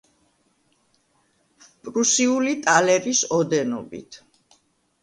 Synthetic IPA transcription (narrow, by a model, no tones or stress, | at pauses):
pʼɾusiulit̪ʼalɛɾisɔd̪ɛnɔ̰bḭt̪ʰ